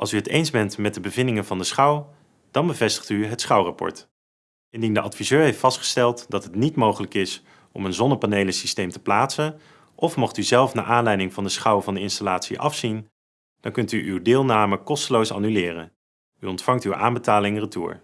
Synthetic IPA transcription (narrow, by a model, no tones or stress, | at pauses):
ʔɑ̰lˠsyɦətejnzbɛntmɛt̚dəbəvɪndɪŋənvɑndəsχʌw | d̥ɑnbəvɛstə̥χtyɦətsχʌwrɑpɔ̰ɹt | ɪndindəʔɑtfizøːɹɦejftfɑstχə̥stɛlˠtdɑtɦətnitmowχələkɪs | ɔ̰mənzɔnəpanejləsistejmtə̥plaːtsən | ʔɔfmɔχtyzɛlˠfna̰ːʔaːnlɛjdɪŋvɑndəsχʌwvɑndəɪnstalaːtsḭʔɑ̰fsin | d̥ɑŋkɵntyʔywdɪːlˠnaːməkɔstəlowsɑ̰nylɪːrə̰n | yɔntfɑŋtywʔa̰ːnbətaːlɪŋrətṵːɹ